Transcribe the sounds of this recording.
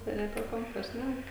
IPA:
tɐɪ jɪˈnɐɪ ɐpʲiɛ ˈkoːmpɐ ˈʃʲnʲæk

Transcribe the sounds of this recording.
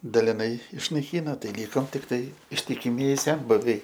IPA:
dɐlʲɪˈnɐɪ ɪʃnɐɪˈkʲiːnoː ˈtɐɪ ˈlʲiːkoːm tʲɪkˈtɐɪ ɪʃʲtʲɪkʲɪˈmʲiɛjɪ ˈsʲɛnbʊʋʲɛɪ

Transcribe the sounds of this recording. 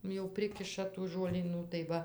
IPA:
jɛʊ ˈpʲrʲɪkʲɪʃɐ tuː ʒuɔlʲiːˈnuː tɐɪ ˈʋɐ

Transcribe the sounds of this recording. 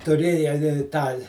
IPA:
tʊˈrʲeːjɛ ɪ ˈtɑː

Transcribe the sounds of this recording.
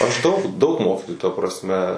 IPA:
ɐʃ ˈdɐʊk dɐʊk ˈmoːkʲiːtoːjuː tɐ prɐsʲˈmʲɛ

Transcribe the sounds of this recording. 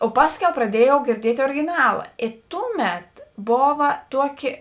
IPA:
oː ˈpɑːsʲˌkʲɛʊ prɐˈdʲiɛjɛʊ ɡʲɪrʲˈdʲiɛtʲ oːrʲɪɡʲɪˈnɑːlˠɐ eː ˈtʊˌmʲɛt ˈboːʋɐ ˈtuɔˌkʲɪ

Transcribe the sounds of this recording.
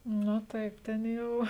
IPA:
nʊ ˈtɐɪp ˈtʲɛn jɛʊ

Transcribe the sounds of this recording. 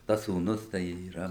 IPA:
ˈtɐs suːˈnʊs tɐɪ iːˈrɐ

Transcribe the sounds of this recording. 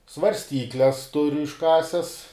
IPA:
sʋɐrʲsʲˈtʲiːklʲɛs ˈtʊrʲʊ ɪʃˈkɑːsʲɛs

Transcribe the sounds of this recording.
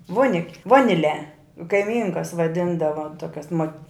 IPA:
ˈʋoːnʲɪkʲ ˈʋoːnʲɪˌlʲɛ kɐɪˈmʲiːŋkɐs ʋɐˈdʲɪndɐʋɐ ˈtoːkʲɛs moːt

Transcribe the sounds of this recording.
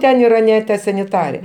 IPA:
ˈtʲɛn iːˈrɑːˈnʲɛ tɐ sɐnʲɪˈtɑːrʲɛ

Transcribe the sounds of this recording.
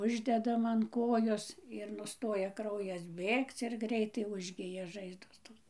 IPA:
ˈʊʒʲdʲɛdɐm ɐn ˈkoːjoːs ɪr ˈnʊstoːjɛ ˈkrɐʊjɛs ˈbʲeːkt͡s ɪr ˈɡrʲɛɪtɐɪ ˈʊʒʲɡʲɪjɛ ˈʒɐɪzdoːs ˈtoːs

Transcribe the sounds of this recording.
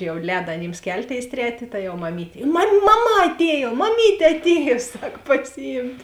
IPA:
jɛʊ ˈlʲɛːdɐ ɐˈnʲiːms ˈkʲɛlʲˌtʲeːɪs ˈtʲrʲæːtʲeː tɐ jɛʊ mɐˈmʲiːtʲeː mɐm mɐˈmɐ ɐˈtʲeːjoː mɐˈmʲiːtʲeː ɐtʲˈeːjoː ˈsɐk pɐsʲɪˈjiːmʲtʲ

